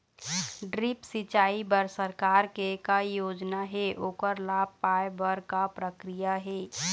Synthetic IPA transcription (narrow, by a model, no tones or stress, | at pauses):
ɖɾipsɪt͡ʃaːibəɾsəɾkaːɾkekajoːd͡ʒnaɦɛʔoːkəɾlaːb̚paebəɾkapɾəkɾijaɦɛː